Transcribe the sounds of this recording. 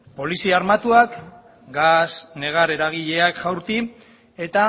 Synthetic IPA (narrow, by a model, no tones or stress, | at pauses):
po̞lisiaɾmat̪uak | ɡasne̞ɣ̞aɾe̞ɾaɣ̞iʎe̞akʝawɾt̪i | e̞t̪a